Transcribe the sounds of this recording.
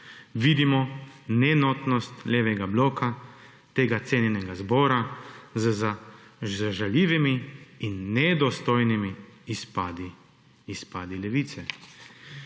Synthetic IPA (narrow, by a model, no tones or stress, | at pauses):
ʋid̪imɔnɛnɔt̪nɔst̪lʲeːʋɛɡabloːka | t̪eːɡat̪seːnjɛnɛɡazbɔːɾazzaʒaʒaljiːʋimiinːɛd̪ɔst̪ojnimiispad̪i | ispaːd̪ilɛʋit̪sɛ